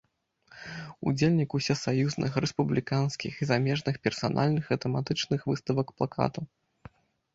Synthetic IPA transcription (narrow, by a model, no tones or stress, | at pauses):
ṵd͡zʲelʲnʲikusʲɛsajuznɨ̰xɾɛspublʲikanskʲḭxizamʲɛʐnɨxpʲɛrsa̰nʔa̰lʲnɨxɐt̪ɛmat̪ɨt͡ʂnɨxvɨst̪ɐvɐkplˠakʰa̰t̪u